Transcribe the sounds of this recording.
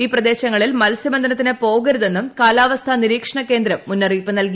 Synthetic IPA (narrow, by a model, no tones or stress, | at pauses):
iːprɐd̪e̞ːɕɐŋːɐɭilmɐlsibɐnd̪ɐnɐt̪̬ːinepo̞ːɡɐɾuðe̞nːumkaːlaːʋɐst̪ʰɐniɾiːkʂɐɳɐkːe̞ːnd̪ɾɐmːunːɐriːpːɨnɐlki